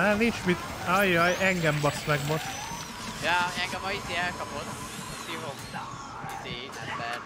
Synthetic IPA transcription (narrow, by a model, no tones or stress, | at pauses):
ɛnint͡ʃmit̪ | ɒjɒjɛŋɡɛmbɒsmɛɡmoʃt̪ | jaːɛŋɡɛmɒizeːɛlkɒpot̪ | t̪iɦom | izeːnɛtbɛ